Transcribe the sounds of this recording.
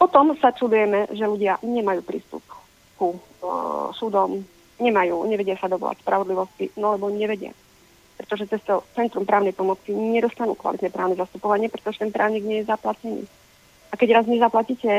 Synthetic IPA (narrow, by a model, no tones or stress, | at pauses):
pɔt̪ɔmsat͡ʃud̪ujɛmɛʒɛluɟɪaɲɛmajuːpɾḭːst̪ṵp̚ | ku | sud̪ɔm | ɲɛmajuːɲɛʋɛɟɪasad̪ɔʋɔ̰la̰cspɾaʋɔd̪liʋɔscinalɛbɔɲɛʋɛɟɪa̰ | pɾɛ̥t̪ɔʒɛt͡sɛst̪ɔt͡sɛnt̪ɾumpɾaːʊnɛjpɔmɔt͡siɲɛd̪ɔst̪anṵːkʋa̰lit̪nɲɛpɾaːʊnɛzast̪upɔʋaɲɪɛpɾɛ̥t̪ɔʒɛt̪ɛnpɾʔa̰ːʊɲiːɡɲɪɛjɛzaplacɛnḭː | akɛɟɾazɲɛzaplacicɛ